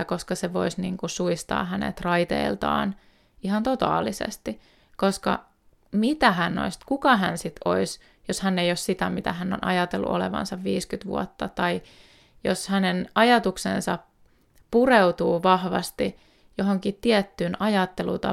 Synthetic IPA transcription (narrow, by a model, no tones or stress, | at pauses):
ko̞skɑseʋo̰isniːŋkusuist̪ɑ̰ːhænḛt̪rɑit̪ḛilt̪ɑ̰ːn | ihɑnt̪ot̪ɑ̰ːlːisḛst̪i | koskɑ̰ | mit̪æɦænːo̰ist̪kukɑɦænsit̪ʰois | joshænːejossit̪æmit̪æhænːo̰nɑ̰jɑt̪elːṵʔo̰lḛʋɑ̰nsɑʋʋiːskyt̪ʋṵot̪ːɑt̪ɑi | joshænenɑjɑt̪uksḛnsɑ | pureut̪uːʋɑhʋɑ̰st̪i | joɦoŋkit̪tiɛt̪ːyːnɑjɑt̪ːelṵt̪ɑ